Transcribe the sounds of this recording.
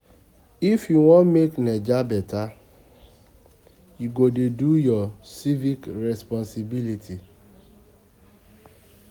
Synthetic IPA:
ifjuwɔ̃nmeknɛd͡ʒabɛta | juɡodedujɔsivikɾɛspɔ̃nsibilitʰi

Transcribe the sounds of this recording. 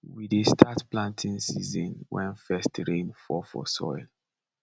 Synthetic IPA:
widestʰatplãntʰĩŋsizɔ̃nwɛ̰̃nfɛstɹẽnfɔfɔ̰sɔ̰ɪl

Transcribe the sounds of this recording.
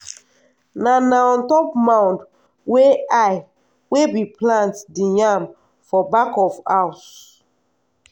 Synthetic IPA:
nanaɔ̃ntɔpmãw̃nd | weaj | webiplãntdijam | fɔbakɔfaws

